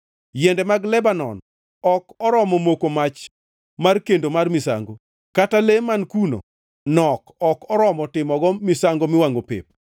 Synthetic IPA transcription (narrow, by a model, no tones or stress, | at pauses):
jɛndɛmaɡlɛbanɔ̰n | ɔkɔɾɔmɔmokomat͡ʃ | markendomarmɪsa̰ŋɡo | katalemankuno̰ | nɔkɔkɔɾɔmɔtɪmɔɡɔmɪsaŋɡomɪwaŋɡopḛp̚